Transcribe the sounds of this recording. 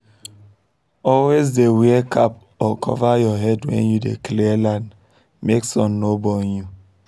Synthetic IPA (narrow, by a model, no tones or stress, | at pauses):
ɔlwezdeweekʰap | ɔkʰɔ̰vajɔɦɛdwɛ̰̃njudḛklilãnd | meksɔ̃nːobɔnju